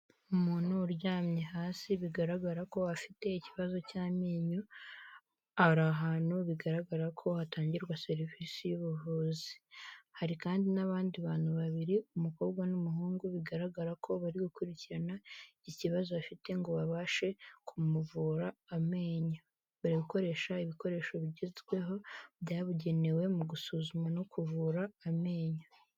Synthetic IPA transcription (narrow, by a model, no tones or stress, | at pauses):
munuɾɟaːmɲehaːsiβiɡaɾaɡaɾako̞afite̞iciβazo̞caːmiːɲu | aɾaɦaːnhuβiɡaɾaɡaɾakʰo̞hataːɲɟiɾɡwase̞ɾivisijuβuvuːzihaɾikaːndinaβaːndiβaːnhuβaβiɾiumuko̞ːβɡwanumuɦuːŋɡuβiɡaɾaɡaɾakʰo̞βaɾiɡukuɾiciɾanaiciβazoβafite̞ŋɡo̞βaβaːʃe̞kʰumuvuɾaːme̞ːɲa | βaɾiɡuko̞ɾe̞ːʃaiβiko̞ɾe̞ːʃo̞βiɟizɡwe̞ɦo̞βɟaːβuɟe̞ne̞we̞muɡusuzumano̞kuvuːɾaːme̞ːɲa